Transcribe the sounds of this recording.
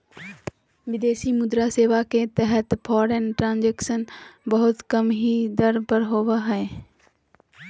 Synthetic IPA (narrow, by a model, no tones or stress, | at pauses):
ʋɪd̪eːʃimʊd̪ɾaseːʋaket̪ɛɦət̪pʰɔːɾənʈɾãːnd͡ʒɛːkʃənbəɦʊt̪kəmɦid̪əɾpəɾɦoːʋaɦɛe